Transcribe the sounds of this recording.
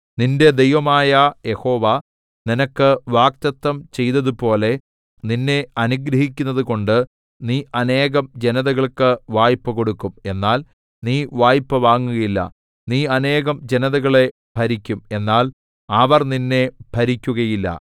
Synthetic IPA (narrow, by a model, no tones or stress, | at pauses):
ninde̞d̪e̞jʋɐmaːjɐje̞ho̞ːʋɐ | ninɐkːɨʋaːk̚t̪ɐt̪ːɐmt͡ɕe̞jt̪ɐðupo̞ːle̞ | ninːe̞ɐnuɡɾɐɦik̬ʲːunːɐðuko̞ɳɖɨ | niːʔɐne̞ːɣɐmd͡ʑe̞nɐðɐɣɐɭkɨʋaːjpːɨko̞ɽukːume̞nːaːl | niːʋaːjpːɨʋaːŋːuɣɐjilːɐ̰ | niːɐne̞ːɣɐmd͡ʑe̞nɐðɐɣɐɭe̞ | bʱɐɾikʲːume̞nːaːl | ɐʋɐrninːe̞b̥ʱɐɾikʲːuɣɐjilːɐ̰